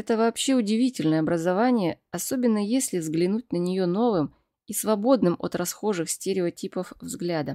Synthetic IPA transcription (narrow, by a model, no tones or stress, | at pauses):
ɛt̪əvaːpɕːe̞ʊdʲɪvʲitʲɪlʲnəjəɐbɾəzɐvanʲɪjəɐso̞bʲɪnːəjesʲlʲɪvzɡlʲɪnut̚ʲnənʲɪjo̞no̞vɨm | isvɐbo̞d̪nɨmo̰t̪rɐsxo̞ʐɨxsʲtʲɪɾʲɪotʲipəfvzɡlʲad̪ə